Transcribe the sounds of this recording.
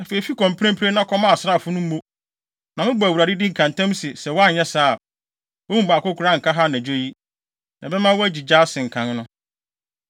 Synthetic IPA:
a˨fe˨i˨fi˦kʰɔ̃˨mpʰɾɛ̃˦m˦pʰɪ˦e˦nã˦kʰɔ˦mã˦a˨sɾa˦˨fʊ˦nʊ̃˦m̩˦mõ˦ | nã˨mɪ̃˦bɔ˨æ˨wu˨ɾa˨dɪ˦di˦ŋ̩˨kʰã˨n˨tʰã˦msɪ˨sɛ˨wɔ˦a˦˨ɲɛ˦saː˦˨a˨ | wɔ˦mũ˦ba˨kʊ˦kʰʊ˨ɾa˦ŋ̩˨kʰa˦ɦa˦næ̃˨d͡ʑᶣo˦ji˦ | nã̰˨bɛ˦mã˦wɔ˦æ˦d͡ʑi˨d͡ʑa˦sɪ̃˨ŋ̩˨kʰã˦n˦nʊ̃˦

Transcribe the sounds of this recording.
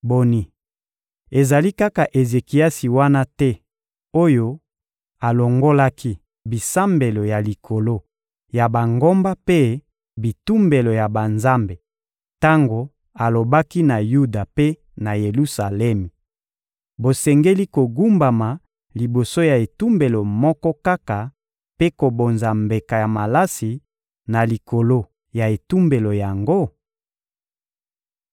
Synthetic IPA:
bo˨ni˨ | e˨za˨li˦ka˦ka˨ʔe˨ze˨ki˨a˦si˨wa˦na˦tɛ˦ | o˦jo˦ | a˨lo˨ŋɡo˦la˦kʰi˦ | bi˨sa˦mbe˨lo˨ja˨li˨kʰo˨lo˦ | ja˨ba˨ŋɡo˦mba˦pe˦ | bi˨tu˦mbe˨lo˨ja˨ba˨nza˦mbe˨ | ta˦ŋɡo˨ | a˨lo˨ba˦ki˦na˨ju˦da˨pe˦ | na˨je˨lu˦sa˨lɛ˦mi˨ | bo˨sɛ˨ŋɡe˦li˦ko˨ɡu˦mba˨ma˨ | li˨bo˨so˦ja˨e˨tu˦mbe˨lo˨mɔ˦kɔ˦ka˦ka˨ | pe˦ko˨bo˨nza˨mbe˨ka˨ja˨ma˨la˦si˨ | na˨li˨ko˨lo˦ | ja˨e˨tu˦mbe˨lo˨ja˨ŋɡo˦

